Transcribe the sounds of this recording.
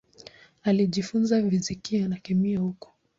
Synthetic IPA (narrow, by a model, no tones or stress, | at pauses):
aliʄifunzavizikianakɛmiahukɔ̥